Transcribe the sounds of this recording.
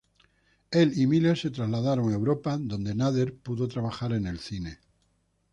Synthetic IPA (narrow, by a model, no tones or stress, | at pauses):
e̞limile̞ɾse̞t̪ɾazlaðaɾoŋewɾo̞pad̪o̞nd̪e̞naðe̞ɾpuðo̞t̪ɾaβaxaɾe̞ne̞lθine̞